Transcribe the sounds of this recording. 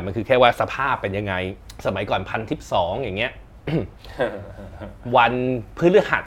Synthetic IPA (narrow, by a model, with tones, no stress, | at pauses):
ma˧nkʰɯː˧kʰɛː˥˩waː˥˩sa˧pʰaː˥˩pːe˧nja˧ŋːa˧jsa˧ma˩˦jkɔː˨˩npʰa˧nt̪ʰi˦˥˩p̚sɔː˩˦ŋja˨˩ŋːi˦˥ɐ˥ | wa˧npʰɯː˦˥nlɯ˥ha˨˩t̪̚